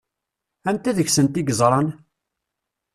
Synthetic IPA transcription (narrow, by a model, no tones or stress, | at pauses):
ænt̪æðəçsənt̪iɡəzˤɾˤɑn